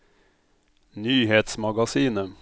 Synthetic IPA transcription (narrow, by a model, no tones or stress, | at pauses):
nyːheːt̪smɑɡɑsiːnə